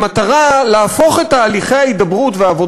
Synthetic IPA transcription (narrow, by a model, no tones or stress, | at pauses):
mat̪aʁaleafo̞χettaːliχe̞jait̚d̪abʁutveaːvo̞